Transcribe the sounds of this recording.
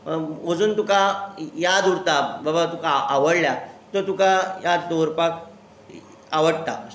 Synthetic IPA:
od͡zuːnt̪ukajad̪uɽt̪ababat̪ũkaʔaʋəɽljat̪əɾt̪ukajad̪d̪oɾpak̚ | aʋəɽt̪a̰ə

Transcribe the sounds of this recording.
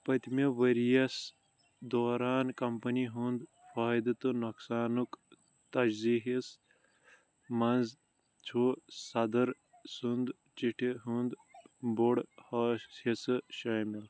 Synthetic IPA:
pɐt̪meʋɐɾijɐs | d̪oːɾaːnkɐmpɐniɦund̪ | faːjd̪ɐt̪ɨnɐksaːnuk | t̪ɐd͡ʒziːɦis | mɐnz | t͡ʃʰusɐd̪ɐɾ | sund̪ | t͡ʃiʈʰiɦund̪boɽhɐːisɨʃɐːmil

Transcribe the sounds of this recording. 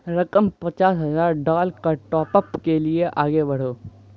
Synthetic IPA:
ɾɐkəmpɐt͡ʃaːsɦɐzaːɾɖaːlkaʈɔːpəpkelieʔaːɡebɐɽ̤oː

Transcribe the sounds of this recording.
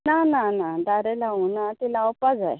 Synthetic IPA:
nananadaɾelaunat̪ilawpad͡za̰j

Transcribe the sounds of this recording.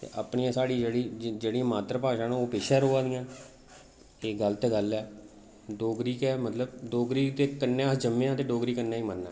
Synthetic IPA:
t̪ḛʔapɳiːãːsaːɽiːd͡ʒeːɽiːd͡ʒeːɽiːãːmaːt̪ɾəpaːʃãːnːoːpeːʃəɾɦoːãːd̪ɪjãːn | eːɡəlt̪eɡəlɛː | ɖoːɡɾiːkɛːmət̪ləbɖoːɡɾiːkt̪eːkənːẽːəd͡ʒəmːẽːãːt̪eːɖoːɡɾiːkənːãːiːmənːã̰ː

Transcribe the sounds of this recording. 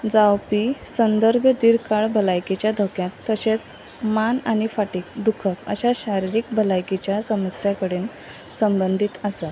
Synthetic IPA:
d͡zawpisənd̪əɾbʱjəd̪iɾkaɭbʱəlajket͡ɕjad̪ʱokjãt̪ːəɕet͡s | manaɽ̃ifaʈiːk̚d̪ukʰəkə̰ɕaɕaɾiɾiːk̚bʱəlajket͡ɕjasəməsjakəɽeːn | səmbənd̪ʱit̪əsa

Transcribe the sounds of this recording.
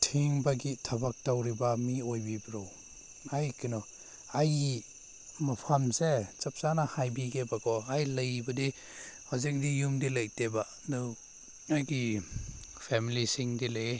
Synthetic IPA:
tʰiŋbaɡitʰɐbak̚tawɾibamiojbibɾɔw | ajkinɔ | aji | mapʰamset͡ʃɐp̚sanahajbiɡebakɔajlɐjbɐdi | ɔzek̚dijumdilajteba | dɯw | ajɡi | pʰɛmilisiŋdilej

